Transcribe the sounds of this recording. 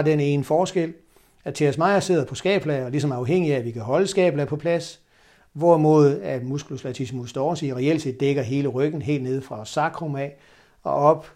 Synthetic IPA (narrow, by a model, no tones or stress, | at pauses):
ɑd̥ene̝ːnəfɒːsɡ̥el̰ | æt͡sʰe̝ɐsmɑ̈ɪ̰ɐse̝ð̞̰ˠɐpʰɒ̽sɡ̥ɛ̰ːb̥læɒlis̬ɒ̽mɑ̈ʊɦeŋ̰iæːʋikʰæɦɒ̽ləsɡ̥ɛ̰ːb̥læpʰɒ̽pʰlæs | ʋɒmo̝ːð̩ˠæmusɡ̥uloslæt͡sʰismusd̥ɒːsiːʁɛel̰̥se̝̰ð̥ˠeɡ̥ɐɦe̝ːləʁœɡ̥n̩ɦe̝̰ːld̥ne̝ð̞̰ˠfʁɑ̈ɒsɑ̈ɡ̥ʰʁomæ | ɒ̽ɒ̽b̥